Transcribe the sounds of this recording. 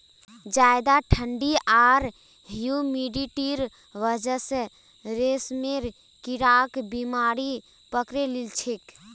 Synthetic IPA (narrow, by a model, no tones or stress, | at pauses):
d͡ʒaːjd̪aʈʰəɳɖiaːɾ | ɦjumiɖiʈiɾ | ʋəd͡ʒəse | ɾesmeɾ | kiɾaːkbimaːɾi | pəkɾelilt͡ʃʰek